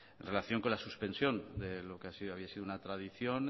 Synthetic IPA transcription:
enrelaθjo̞ŋko̞nlasuspe̞nsjõ̞nd̪elo̞keasioaβiasiðunat̪ɾaðiθjo̞n

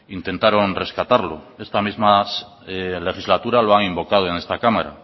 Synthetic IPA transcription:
int̪e̞nt̪aɾo̞nre̞skat̪aɾlo̰e̞st̪amizmas | ele̞χizlat̪uɾaloaŋimbo̞kað̞oene̞st̪akamaɾa̰

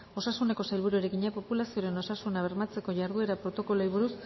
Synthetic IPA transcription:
o̞sasune̞ko̞sajlβ̞uɾueɾekiɲapo̞pulasio̞ɾe̞no̞sasunaβ̞e̞ɾmat͡se̞ko̞ʝaɾðue̞ɾapɾo̞t̪o̞ko̞lojβ̞uɾus

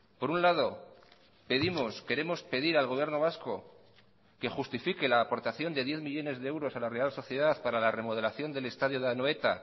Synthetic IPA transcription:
po̞ɾunlað̞o̞ | pe̞ðimo̞ske̞ɾe̞mo̞spe̞ðiɾalɣo̞β̞je̞ɾno̞β̞asko̞ | ke̞xust̪ifike̞laːpo̞ɾt̪aθjo̞nd̪eð̞je̞θmiʎo̞ne̞zðeewɾo̞salare̞also̞θje̞ðaθpaɾalare̞moðe̞laθjo̞nd̪e̞le̞st̪aðjoðeanoe̞t̪a̰

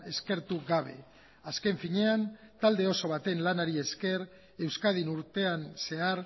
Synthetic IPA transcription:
e̞ske̞ɾt̪uɡaβ̞e̞̰ | aske̞ɱfiɲe̞ant̪ald̪e̞o̞so̞β̞at̪e̞nlanaɾie̞ske̞ɾ | e̞wskað̞inuɾt̪e̞anse̞aɾ

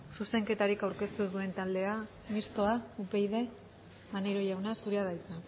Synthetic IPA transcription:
suse̞ŋke̞t̪aɾikawɾke̞st̪uðue̞nt̪ald̪e̞a | mist̪o̞aupe̞jðe̞ | maneɾo̞ʝawnasuɾeaðajt͡sa

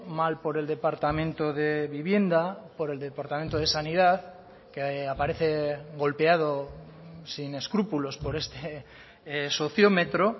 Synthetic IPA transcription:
malpo̞ɾe̞ld̪e̞paɾt̪amẽnt̪oðe̞βiβje̞nd̪apo̞ɾe̞ld̪epaɾt̪amẽnt̪oð̞e̞saniðað | keapaɾe̞θe̞ɣo̞lpeað̞o | sine̞skɾupulo̞spo̞ɾe̞st̪e | so̞θjome̞t̪ɾo̞

